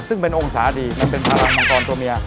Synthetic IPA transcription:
sɯ˥˩ŋpe˧nʔo˧ŋsaː˩˦diː˧˩ma˧npe˧npʰaː˧ɾa˧ŋmɔ˧ŋkɔː˧nt̪u˧ɐmi˧ɐ

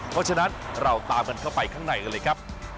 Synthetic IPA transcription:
pʰɔ˦˥t͡ɕʰa˧na˦˥nɾa˧wt̪aː˧mka˧nkʰa˥˩wpa˧jkʰaː˥˩ŋna˨˩jkɤː˧lːjkʰɾa˦˥p̚

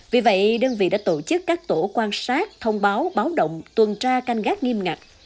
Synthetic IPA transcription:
vi˨˩və̰˧˨jɗəː˧nvḭ˧˨ɗa̰ː˧˥t̪o˧˩t͡ɕɨ˦˥kːaː˦˥k̚t̪o˧˩kwaː˧nsaː˦˥k̚t̪ʰə˧wŋ͡mɓaː˨˦wɓaː˨˦wɗə̰˧˨wŋ͡mt̪wə˨˩nt͡ɕaː˧ka˧ŋ̟ɣaː˦˥k̚ŋi˧əmŋa˨˩k̚

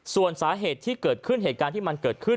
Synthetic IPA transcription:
su˨˩ənsaː˩˦ɦeː˨˩t̪ʰːiː˥˩kɤː˨˩t̪̚kʰɯ˥˩nɦeː˨˩t̪̚kaː˧nt̪i˥˩ma˧nkɤː˨˩t̪̚kʰɯ˥˩

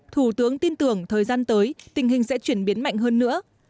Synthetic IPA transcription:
t̪ʰu˧˩t̪ɨ˨˦əŋt̪i˧nt̪ɨ˧˩əŋt̪ʰəː˨˩jzaː˧nt̪əː˨˦jt̪ï˨˩ŋ̟ɦï˨˩ŋ̟sɛ̰˧˥t͡ɕwi˧˩ənɓi˨˦ənma̰˧˨jŋ̟ɦəː˧nːɨ̰˧˥ə

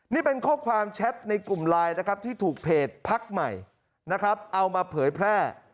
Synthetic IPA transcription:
niː˥˩pe˧nkʰɔː˥˩kʰwaː˧mt͡ɕʰɛ˦˥t̪̚na˧jklu˨˩mlaː˧jna˦˥kʰɾa˦˥p̚t̪ʰiː˥˩t̪ʰuː˨˩k̚pʰeː˨˩t̪̚pʰa˦˥k̚ma˨˩j | na˦˥kʰɾa˦˥p̚ʔa˧wmaː˧pʰɤː˩˦jpʰɾɛː˥˩

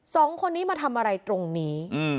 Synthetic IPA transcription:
sɔː˩˦ŋkʰo˧nːiː˦˥maː˧t̪ʰa˧mʔa˧ɾa˧jt̪ɾo˧ŋniː˦˥ɯ˧˩

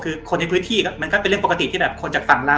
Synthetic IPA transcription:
kʰɯː˧kʰo˧na˧jpʰɯː˦˥nt̪ʰiː˥˩kɔ˦˥˩ma˧nkɔː˥˩pe˧ɾɯ˥˩pːka˧t̪i˨t̪ʰiː˥˩bɛː˨˩p̚kʰo˧nt͡ɕaː˨˩k̚fa˨˩ŋlaː˧˦˥

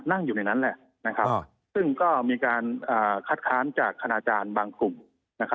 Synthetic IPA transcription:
t̪̚na˥˩ŋjuː˨˩na˧˩jna˦˥nlɛ˨˩ʔ | na˦˥kʰa˦˥p | sɯ˥˩ŋkɔː˥˩miː˧kaː˧nʔaː˨˩kʰa˦˥t̪̚kʰaː˦˥nt͡ɕaː˨˩kʰːa˧naː˧t͡ɕaː˧nbaː˧ŋklu˨˩m | na˦˥kʰa˦˥

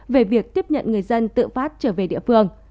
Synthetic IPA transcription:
ve˨˩vi˨˩ək̚t̪i˦˥əp̚ɲə̰˧˨nŋɨ˨˩əjzə˧nt̪ɨ̰˧˨faː˦˥t̚t͡ɕəː˧˩ve˨˩ɗḭ˧˨əfɨ˧əŋ

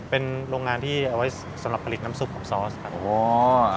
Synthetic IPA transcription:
pe˧nɾoː˧ŋːaː˧nt̪ʰiː˥˩ʔa˧wa˦˥j | sa˨˦mɾa˨˩pʰa˧li˨˩t̪̚na˦˥msu˨˩p̚ʰɔː˩˦ŋsɔː˦˥skʰa˦˥ʔoː˩˦

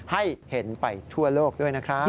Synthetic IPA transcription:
ha˥˩jhe˩˦npa˧jt̪ʰu˥˩ɐloː˥˩k̚du˥˩əjna˦˥kʰɾa˦˥

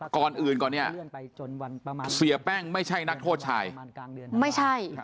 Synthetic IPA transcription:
kɔː˧nʔɯː˨˩nkɔː˨˩ni˥˩ɐ | si˨˦ɐpɛː˥˩ŋma˥˩jt͡ɕʰa˥˩jna˦˥k̚t̪ʰoː˥˩t̪̚t͡ɕʰaː˧jma˥˩jt͡ɕʰa˥˩j

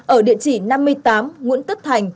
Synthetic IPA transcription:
ʔəː˧˩ɗḭ˧˨ət͡ɕi˧˩na˧mːɨ˧əjt̪aː˨˦mŋṵ˧˥ənt̪ə˦˥t̚t̪ʰa˨˩jŋ̟

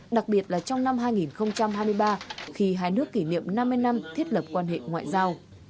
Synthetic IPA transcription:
ɗa˨˩k̚ɓi˨˩ət̚laː˨˩t͡ɕɔ˧wŋ͡mna˧mɦaː˧jŋi˨˩nxə˧wŋ͡mt͡ɕa˧mɦaː˧jmɨ˧əjɓaː˧xi˧ɦaː˧jnɨ˦˥əkːi˧˩nḭ˧˨əmna˧mːɨ˧əjna˧mt̪ʰi˦˥ət̚ləː˨˩p̚kwaː˧nɦḛ˧˨ŋwa̰ː˧˨jzaː˧w

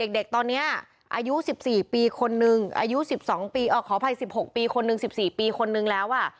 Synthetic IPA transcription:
de˨˩k̚de˨˩k̚t̪ɔː˧nːi˦˥ɐ | ʔa̰ː˧ju˦˥si˨˩p̚siː˨˩piː˧kʰo˧nːɯ˧ŋʔa̰ː˧ju˦˥si˨˩p̚sɔː˩˦ŋpiː˧ʔɔː˧˩kʰɔː˩˦pʰa˧jsi˨˩p̚ho˨˩k̚piː˧kʰo˧nːɯ˧ŋsi˨˩p̚siː˨˩piː˧kʰo˧nːɯ˧ŋlɛː˦˥wʔa˥˩

